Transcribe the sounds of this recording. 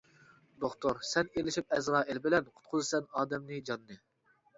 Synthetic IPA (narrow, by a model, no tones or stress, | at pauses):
d̪oχt̪oɾsɛnelɪʃip̚ɛzɾɑːelbɪlɛnqʰʊ̥t̪̚qʰʊzɨsɛnɑːd̪ɛmnɨd͡ʒɑnːɨ